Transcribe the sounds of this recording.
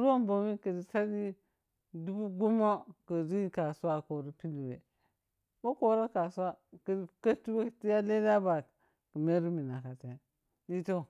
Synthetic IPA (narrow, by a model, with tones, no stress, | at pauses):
ɾo˦mbo˨mi˦kə˨di˨sa˦di˦ | du˦bu˦ɡu˦mo˦kə˨ɾi˦ka˨su˦wa˦ko˨ɾi˦pi˦li˨wḛ˨ | bo˦ko˨˦ɾa˦ka˨sa˦ki˨dka˦tu˦we˦ti˦ja˦le˦da˦ba˨ | kə˨me˦ɾi˦mi˨na˨ka˨ta˨ | di˦to˦˨